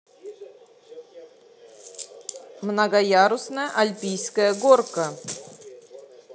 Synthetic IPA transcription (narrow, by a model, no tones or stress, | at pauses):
mnɐɡɐjaɾʊsnəjəʔɐlʲpʲijskəjəɡorkə